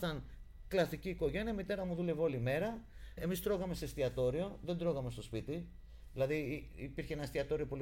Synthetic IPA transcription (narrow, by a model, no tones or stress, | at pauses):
ɐn | klɐst̪iciːko̞ʝe̞niɐmit̪e̞ɾɐmuðule̞vo̞lime̞ɾɐe̞mist̪ɾo̞ɣɐme̞se̞st̪iɐt̪o̞ɾio̞ðe̞nd̪ɾo̞ɣɐme̞st̪o̞spit̪i | ðilɐðiːpiɾçeenɐst̪iɐt̪o̞ɾio̞po̞l